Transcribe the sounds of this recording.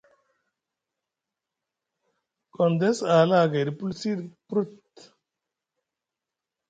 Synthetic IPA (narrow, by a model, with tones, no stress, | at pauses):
kɔnd̪ɛ˦saː˨laːɡe˨ɾipulsi˦ɾpɾu˦t̪